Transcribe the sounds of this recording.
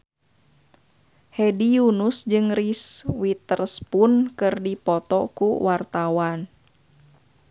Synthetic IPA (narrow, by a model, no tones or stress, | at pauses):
hɛdijunusd͡ʒɨŋriswit̪ərspunkɨrdipɔt̪ɔkuwart̪awan